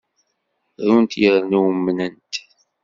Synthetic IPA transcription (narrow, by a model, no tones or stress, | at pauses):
ðunt̪jəɾnuwəmːnənt̪